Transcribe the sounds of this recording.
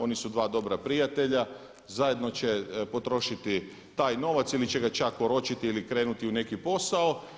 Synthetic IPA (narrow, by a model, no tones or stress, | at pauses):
o̞nisud̪ʋaːd̪o̞bɾapɾijat̪e̞ʎa | zaje̞d̪no̞t͡ʃe̞po̞t̪ɾo̞ʃit̪i | t̪aːjno̞ʋat̪silit͡ʃeɡat͡ʃakpoɾo̞t͡ʃit̪iilikɾe̞ːnut̪iune̞kipo̞sao